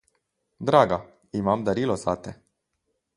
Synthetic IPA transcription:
d̪ɾaɡa | imamd̪əɾilosat̪e

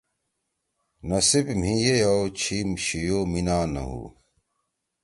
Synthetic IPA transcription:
nɐsibm̤ĩjejɐwt͡ɕʰiːmɕijoːminaːnɐ̰ɦṵː

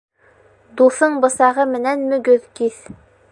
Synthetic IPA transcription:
d̪uθɤɴbɤ̆sɑʁɤmɘ̆nænmɵ̆ɡɵðkiθ

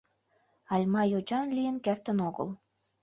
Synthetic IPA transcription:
ɑlʲmɑjod͡ʑɑnlʲijə̆nkært̪ə̆noɣə̰l

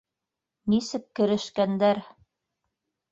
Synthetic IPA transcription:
nisɘkkːɘ̆ɾɘ̆ʃkænd̪æɾ

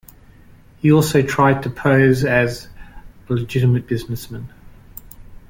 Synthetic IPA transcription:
hiɔˑlˠsəʊtʰɹ̥aɪd̚tʰəpʰəʊzɨz | ləd͡ʒɪɾəmət̚b̥ɪznəsmə̃n

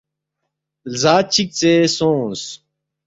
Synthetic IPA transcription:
zaːt͡ɕʰik̚t͡sesõːs

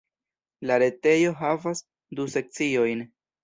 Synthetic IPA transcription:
laɾe̞te̞jo̞ɦavas | duse̞k̚t͡sio̞jn

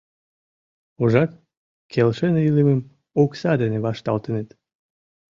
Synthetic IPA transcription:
uʒɑt̪ | kʰelʃeneileməm | oksɑd̪eneβɑʃt̪ɑ̰lt̪enet̪

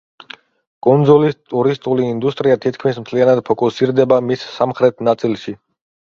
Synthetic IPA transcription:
kʼund̪zulist̪ʼuɾist̪ʼuliːnd̪ust̪ʼɾiat̪ʰit̪̚ʰkʰmismt̪ʰlianad̪̚pʰɔkʼusiɾd̪ɛbamisːamχɾɛt̪ʰnat̪sʼilˠʃi

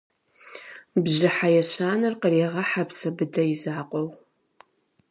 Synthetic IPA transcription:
bʑɪħajɛɕʰaːnɨrqəreːʁɐħapsɐbɨdɐjɪzaːqʷʼɔw

